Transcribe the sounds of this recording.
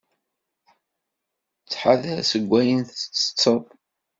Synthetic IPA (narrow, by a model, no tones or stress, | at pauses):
t͡sːħaðæsəɡʷːæjənθt͡sːə̥t͡sːəðˤ